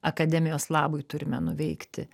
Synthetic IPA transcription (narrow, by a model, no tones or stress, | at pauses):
ɐkɐd̪ʲɛːmʲɪjoːslˠɑːbʊjt̪ʊɾʲɪmʲɛnʊʋʲɛɪkt̪ʲɪ